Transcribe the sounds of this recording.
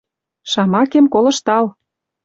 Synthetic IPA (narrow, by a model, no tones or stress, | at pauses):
ʃɑmɑkemkolɤ̆ʃt̪ɑl